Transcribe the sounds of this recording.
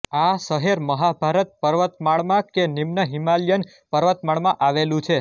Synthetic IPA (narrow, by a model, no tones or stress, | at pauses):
asəɦeɾməɦabʱaɾət̪̚pəɾʋət̪maɭmãkenimnəɦimaljən | pəɾʋət̪maɭmãʔaʋelũt͡ʃʰe